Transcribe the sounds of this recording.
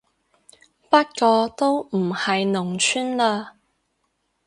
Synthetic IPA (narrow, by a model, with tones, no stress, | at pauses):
pɐ˥t̚kɔː˧t̪o˥wm̩˨˩hɐ˨jnʊ˨˩ŋt͡ʃʰyː˥nlaː˧